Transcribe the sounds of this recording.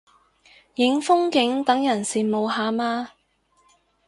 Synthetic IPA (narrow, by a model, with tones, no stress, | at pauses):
jɪ˨˥ŋfʊ˥ŋkɪ˨˥ŋt̪ɐ˨˥ŋjɐ˨˩nsiː˨mo˨˧wɦaː˧maː˧